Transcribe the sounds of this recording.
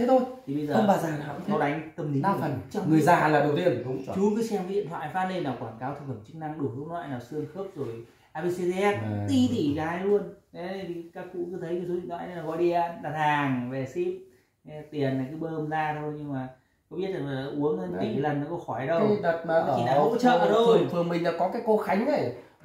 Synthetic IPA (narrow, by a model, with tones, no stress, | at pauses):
e˨˦t̪ʰo˧jt̪ʰi˨˩ɓə˧jzəːə˧˨˧aː˧zaː˨˩˧t̪ʰɔ˧wɗa˨˦jŋ̟t̪ə˧˩mɗi˨˦n˧˨˩fə˨˩nt͡ɕɔ˧wŋ͡mŋɨ˨˩əjzaː˧˨laː˨˩ɗə˨˩wt̪i˧ən˨ɗʊ˨˦˧t͡ɕu˨˦kɨ˨˦sɛ˧mvḭ˧˨nt̪wa̰ː˧˨jfaː˦˧˥nə˧naː˨˩wkwaː˧˩nkaː˨˦wt̪ʰɨ˨˩k̚fə˧˩mt͡ɕɨ˦˥k̚na˧ŋɗu˧˩hɨ˨˦əŋlwa̰ː˧˨jnaː˨˩wsɨ˧əŋxəː˦˥p̚zo˨˩j | ʔaː˧ɓi˧si˧zɛ˦˥t̚t̪i˧˩t̪ʰi˧˩ɣaː˨˦jlu˧əne˨˦ə˧j̪ʰi˨˩˦kaː˦˥k̚kṵ˧˥kɨ˨˦t̪ʰə˨˦jki˧˩su˨˦ḭ˧˨ŋnwa̰ː˧˨jnə˧˦naː˨˩kɔ˨˦ɗi˧a˧ɗaː˧˩t̪ʰaː˨˩ŋve˨˩si˦˥p̚ | t̪i˨˩ənːaː˨˩jkaː˨˦ɓəː˧mzaː˧t̪ʰo˧jɲɨ˧ŋmaː˨˩ | kɔ˨˦ɓi˦˥ət̚laː˨˩˨ʔu˨˦əŋəː˧n˧i˨˩kːlə˨˩nɔ˨˦kɔ˧˦xɔ˧˩jɗə˧˨˦ə˨˩t̚ːt͡ɕi˨˩˨ɗaː˧˩˨ho̰˧˥t͡ɕə̰ː˧˨ʔəː˨˩t̪ʰo˧˩jfʰɨ˨əŋmï˨˩ŋ̟ɗa̰ː˧˥kɔ˨˦kaː˨˦jko˨˦xa˨˦jŋ̟ɗə˧˩j